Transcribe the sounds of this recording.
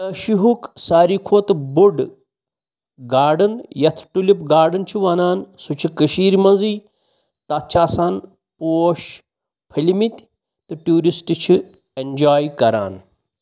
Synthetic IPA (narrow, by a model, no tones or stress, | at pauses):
ɐʃiɦuksaːɾiːkʰoːt̪buɖ | ɡaːɖɐnjɐt̪ʰʈulipɡaːɾɖɨnt͡ʃʰiʋaːnaːnsut͡ʃʰikɐʃiːɾmɐ̃nziː | t̪ɐtt͡ʃʰaːsaːn | poːʃ | pʰɐlimit̪ʲ | t̪ɨʈuːɾisʈt͡ʃʰi | end͡ʒaːjkɐɾa̰ːn